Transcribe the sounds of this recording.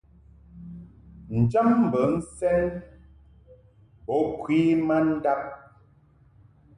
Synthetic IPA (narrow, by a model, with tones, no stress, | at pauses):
n̩˨d͡ʒa˦mm̩˨bə˨˦n̩˦sɛ˦n | bɔ˨˦kwi˦ma˦n̩˦da˦p̚